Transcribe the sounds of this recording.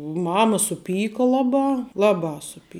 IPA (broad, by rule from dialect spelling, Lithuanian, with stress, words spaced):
ˈmɑːmɐ sʊˈpʲiːkɐ ˈlˠɑːˌbɑː ˈlˠɑːˌbɑː sʊˈpʲiː